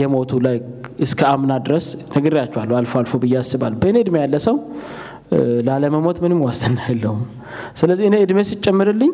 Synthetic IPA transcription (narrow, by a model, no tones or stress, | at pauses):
jɛmo̞t̪ʰulajɨskʰəamnad̪ɨɾəsnəɡəɾijat͡ʃːɛwalːualfalfobɨjːasːɨβalːubəɨneɨd̪mejalːəsəw | laləməmo̞t̪mɨnɨmwast̪ʰɨnːajlːəhum | sɨləzːiɨneɨd̪mesɨt͡ʃʼːɛmːəɾɨlːɨɲː